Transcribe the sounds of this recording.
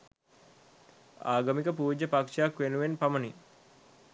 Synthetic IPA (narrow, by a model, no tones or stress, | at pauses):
a̰ːɡɐmikəpuːd͡ʒəpakʂijakʋenuʋenpamɐni